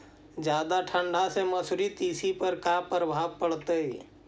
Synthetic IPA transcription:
d͡ʒjaːd̪aʈʰə̃ɳɖʱasemɐsʊɾit̪iːsipəɾkaːpɾəbʱaːʋpəɽt̪eiː

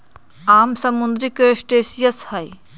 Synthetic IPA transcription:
aːmsɐmund̪ɾikesʈeːsijəshɐj

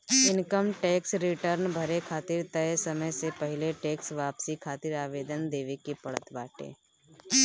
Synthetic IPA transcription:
ɪnkəmʈeːksɾɪʈəɾnbʱɐɾekʰaːt̪ɪɾt̪ɐesɐməjsepəɦɪleʈeːksʋaːpsikʰaːt̪ɪɾaːʋeːd̪ənd̪eːʋekepɐɽə̰t̪baːʈḛ̃ː

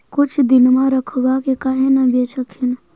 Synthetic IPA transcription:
kʊt͡ʃʰd̪ɪnmãɾəkʰbakekaɦenəbet͡ʃʰəkʰɪn

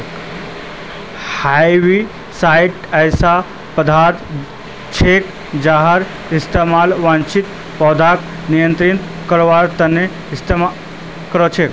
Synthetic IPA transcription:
hajʋi | saiʈəjsa | pəd̪ʱaɾd̪ | t͡ʃʰek | d͡ʒaɦəɾ | ist̪emalʋãnt͡ʃit̪ | pɔːd̪ʱak | nijə̃nt̪ɾin | kəɾʋaɾt̪əne | ist̪em | kəɾət͡ʃʰek

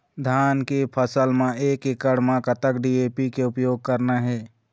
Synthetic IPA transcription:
d̪ʱaːnkepʰəsəlmẽeːkɪkəɽmẽkət̪əkɖiːeːpikeʊpjoːɡ̚kəɾnaɦɛː

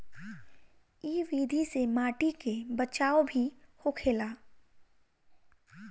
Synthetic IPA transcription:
iːʋiːd̪ʱisemaːʈikebət͡ʃaːobʱihokʰeːlaː

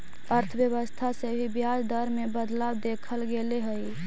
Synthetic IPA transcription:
əɾt̪ʰəbjəβəst̪ʰasebʱibjad͡ʒd̪əɾmebəd̪labd̪ekʰəlɡeleɦəi

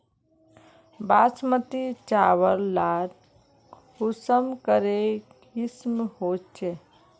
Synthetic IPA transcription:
basmət̪it͡ʃawəɾlaɾ | usəmkəɾe | ismhot͡ʃʰɛ

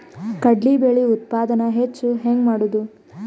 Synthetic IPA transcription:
kɐɖlibeɭiut̪̚paːd̪ɐnɐɦet͡ʃːuɦeŋɡmaːɽud̪u

